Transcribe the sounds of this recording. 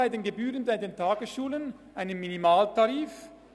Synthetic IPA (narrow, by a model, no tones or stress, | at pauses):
aɪdeːnɡebyːʁənbaɪdeːntʰaːɡəsʃuːlən | ʔaɪnənminimaːltaʁiːf